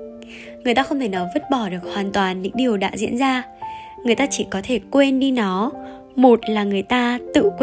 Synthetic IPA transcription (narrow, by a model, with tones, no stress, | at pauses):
ŋɨ˨˩əjt̪aː˧xə˧wŋ͡mt̪ʰe˧˩nɔ˨˦və˦˥t̚ɓɔ˧˩ɗɨ˨˩ək̚hwaː˨˩nt̪waː˨˩nɲɨ̰˧˥ŋɗi˨˩əwɗa̰ː˧˥zḭ˧˥ənzaː˧ | ŋɨ˨˩əjt̪aː˧t͡ɕi˧˩kɔ˨˦t̪ʰe˧˩kwe˧nɗi˧nɔ˨˦ | mo˨˩t̚laː˨˩ŋɨ˨˩əjt̪aː˧t̪ɨ̰˧˨kw